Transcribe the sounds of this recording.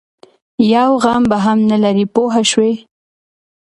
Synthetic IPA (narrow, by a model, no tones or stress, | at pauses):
jawɣambaɦamnalaɾipoɦaʃwe